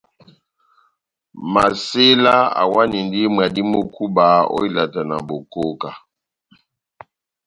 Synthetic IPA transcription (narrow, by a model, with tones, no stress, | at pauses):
ma˨se˦la˦a̰˨wa˦ni˨ndi˦m˨a˨di˦mo˦ku˦ba˨˦o̰˦i˦la˨ta˨na̰˨bo˨ko˦ka˨